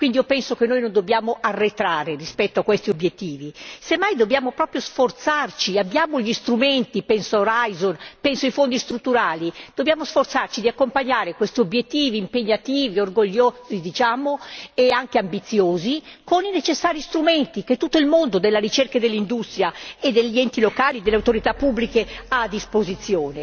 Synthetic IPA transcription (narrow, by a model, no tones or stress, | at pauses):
kwind̪iopɛnsokenːoːjnond̪objaːmoʔarːet̪ɾaːɾerispɛt̪ːoakːwest̪iobjet̪ːiːvisemːajd̪objaːmopɾɔːpɾjosfort̪sart͡ʃiabːjaːmoʎist̪ɾument̪ipɛnsooɾajzonpɛnsoifond̪ist̪ɾut̪ːuɾaːlid̪̥objaːmosfort̪sart͡ʃid̪iakːompaɲːaːɾekwest̪iobjet̪ːiːviːmpeɲːat̪iːviorɡoʎːozid̪it͡ʃaːmoeaŋkeambit̪sːjoːzikoninet͡ʃesːaːɾist̪ɾumɛnt̪ik̟et̪ːut̪ːoilmond̪od̪elːaɾit͡ʃerkad̪elːind̪ust̪ɾjaed̪ːelʎːiɛnt̪ilokaːlid̪elːeawt̪oɾit̪apːubːlikeaːd̪ːispozit̪sːjoːne